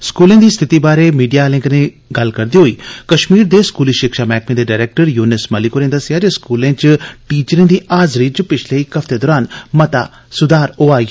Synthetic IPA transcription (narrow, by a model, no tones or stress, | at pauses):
skuːlẽːd̪iːst̪ʰɪt̪iːbaːɾemiːɖijaːlɪ̃ŋɡne | ɡɐlkəɾd̪iɦoiːkəʃmiːɾd̪eskuːliːʃɪkʃaːmɛːkmẽd̪eːɖaːɾeːk̚ʈəɾjuːnɪsməlikoɾẽːd̪əsɪjaːd͡ʒeskuːlẽːt͡ʃʈiːt͡ʃɾẽːd̪iːʔaːzɾiːt͡ʃpɪt͡ʃʰleikɐft̪ed̪ɔːɾaːnmət̪a̰ː | sʊd̪aːɾoːaːi